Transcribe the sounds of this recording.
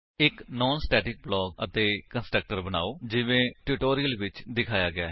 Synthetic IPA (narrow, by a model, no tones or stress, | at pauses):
ɪknɔːnsʈɛːʈɪk̚blɔːɡə̰t̪eːkə̃nsʈɾək̚ʈəɾbəna̰ːoːd͡ʒɪʋẽːʈuːʈoːɾijəlʋɪt͡ʃd̪ɪkʰaːjaːɡɪa̰ːɦ